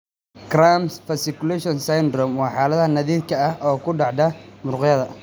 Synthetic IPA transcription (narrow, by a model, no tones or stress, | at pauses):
kramsfɐsɪkʊlɛʃɔnsajnd̪rɔmwɑːħɑːlɐðhɐnɐðiːd̪̚kʰɐɐhʔɔːkʰʊɖɑʕd̪ɐmʊrqjɐðɐ